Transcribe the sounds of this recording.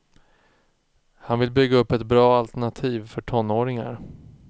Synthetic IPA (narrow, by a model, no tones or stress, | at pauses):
hanvɪlbʏɡːaɵpːɛt̪bɾɑːalt̪ɛɳat̪ʰiːvfœʈʰɔnːoːɾɪŋa̰ɾ